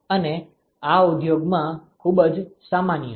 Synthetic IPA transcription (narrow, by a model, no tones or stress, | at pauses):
əne | aud̪joɡmãkʰubəd͡ʒsamanjə